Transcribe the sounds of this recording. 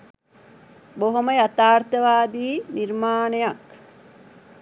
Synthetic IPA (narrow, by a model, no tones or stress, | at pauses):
boɦoməjat̪aːrt̪əʋaːd̪iːniɾmaːnejak